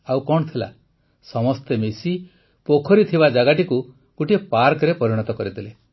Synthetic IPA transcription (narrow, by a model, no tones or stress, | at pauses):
awkɔɳ̃ɔt̪ʰila̰ | sɔmɔst̪emesi | pokʰɔɾit̪ʰibad͡ʒaɡaʈiku | kuʈiepaɾkɾepɔɾiɽ̃ɔt̪ɔkɔɾit̪ʰile